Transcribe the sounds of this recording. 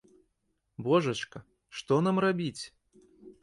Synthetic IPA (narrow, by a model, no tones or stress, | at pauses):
bɔʐɐt͡ʂkɐ | ʂt̪ɔnamrabʲit͡sʲ